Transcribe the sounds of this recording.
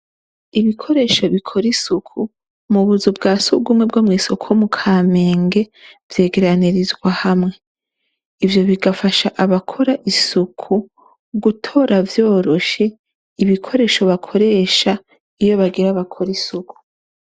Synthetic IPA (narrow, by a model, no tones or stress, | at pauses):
iβikʰo̞ɾe̞ːʃo̞βikʰo̞ɾisukʰu | muβuzubɡaːsuɡumŋeb̚ɡo̞ːmŋiːsokʰomukʰaːme̞ːŋɡe̞vje̞ːɡe̞ɾaniɾizɡwahamŋe̞ | ivjo̞βiɡafaʃaʔaβakʰo̞ɾaʔisukʰu | ɡutʰo̞ːɾavjo̞ːɾo̞ʃe̞ | iβikʰo̞ɾe̞ːʃo̞βakʰo̞ɾe̞ːʃa | ijo̞βaɡiɾaβakʰo̞ɾisuku̥